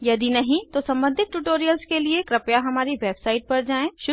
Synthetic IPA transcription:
jɐd̪inɐɦĩt̪osɐ̃mbə̃nd̪ʱɪt̪̚ʈuʈoːɾijəlskeliekɾɐpjaɦɐmaːɾiʋeːbsaːɪʈ̚pɐɾd͡ʒaːẽːʃʊ

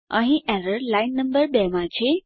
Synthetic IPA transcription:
aɦiʔɛɾəɾlajnːəmbəɾbɛmãd͡ʑʰe

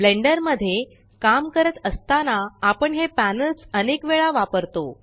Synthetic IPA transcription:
bleɳɖəɾməd̪ʱːje | kamkəɾət̪əst̪anaːpəɳɦepænəlsənekʋeɭaʋapəɾt̪o

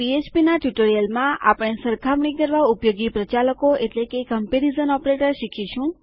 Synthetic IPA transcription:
piet͡ʃpinaʈjuʈoɾijəlmãʔa̰pɽ̃esəɾkʰamɳikəɾʋaupjoɡipɾət͡ʃaləkoeʈlekekəmpeɾizənɔpɾeʈəɾʃikʰit͡ʃʰũ

